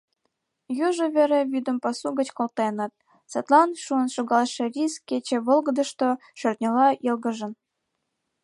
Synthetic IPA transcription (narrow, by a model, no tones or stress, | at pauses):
juʒəβeɾeβid̪ə̆mpɑsuɣət͡ɕkolt̪ɑjɤnɑt̪̚ | set̪lɑnʃuənʃoɣɑlʃĕrʲiskːet͡ɕĕβolˠɣəd̪ə̆ʃt̪o | ʃørt̪̚ʲnʲelɑilɣə̆ʒə̆n